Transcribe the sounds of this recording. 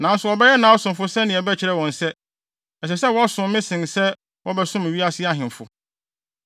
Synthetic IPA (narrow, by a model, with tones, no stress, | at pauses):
nã˨n̩˦sʊ˨ɔ˨bɛ˦jɛ˦nãː˨˦ɔ˦sʊ̃˨mfʊ˦sɛ˦nɪ̃˨ɛ˨bɛ˦t͡ɕʰɪ˨ɾɛ˦˨wɔ̃˨n̩˨sɛ˦ | ɛ˨s̬ɛ˨sɛ˦wɔ˦sʊ̃˨mː˦ɪ̃˦sɪ̃˨nsɛ˦ | wɔ˦bɛ˦sʊ̃˦mæ˨ɥi˦a˦sɪ˦a˦ɦɪ̃˨m˨fʊ˨